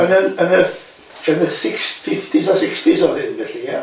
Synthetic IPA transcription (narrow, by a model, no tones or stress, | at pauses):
ənənənə | ənəsɪksfɪftɪsɔsɪkstɪsɔðɪnvɛɬia